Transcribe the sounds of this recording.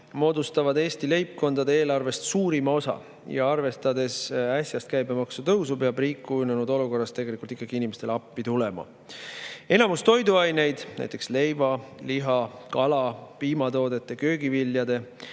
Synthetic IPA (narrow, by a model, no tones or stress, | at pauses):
mo̞ːd̪ust̪ɑvɑd̪e̞ːst̪ile̞jp̚ko̞nd̪̥ɑd̪eeːlɑrve̞st̪suːɾimɑo̞sɑ̰ | jɑ̰ɑrve̞st̪ɑd̪e̞sæsʲjɑst̪̚kæjbemɑksut̪ɤwsupeɑbriːkːˑununud̪o̞luko̞rːɑst̪ːe̞ɡe̞likːˑult̪ikˑːɑɡiinimest̪e̞lɑpːit̪ule̞mɑ̰ | e̞nɑmust̪o̞jd̪uɑjne̞jd̪̥næ̰jt̪ːˑe̞ksle̞jvɑliɦɑkɑlɑpiːmɑt̪o̞ːd̪e̞t̪ːˑekø̞ːɡivilːjɑd̪e̞